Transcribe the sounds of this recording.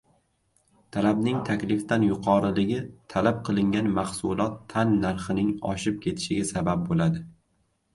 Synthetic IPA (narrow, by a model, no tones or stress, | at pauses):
t̪ʰalabnɪŋt̪ʰakʲlɪft̪anjʊqʰɒɾɪlɪɡʲɪt̪ʰalap̚qʰɨlˠɪŋɡʲanmahsʊlˠɒt̪ʰːanːaɾχɪnɪŋɒ̰ʃɪp̚kʲʰe̞t̪ʰɪ̥ʃɪɡʲasabap̚bolad̪ɪ